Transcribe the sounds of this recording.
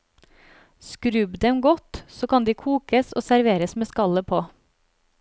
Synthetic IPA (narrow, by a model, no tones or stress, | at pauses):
skɾʉbd̪ɛmɡɔt̪soːkɑnd̪iːkʰuːkəso̰ːsæɾʋeːɾəsmeːskɑləpʰoː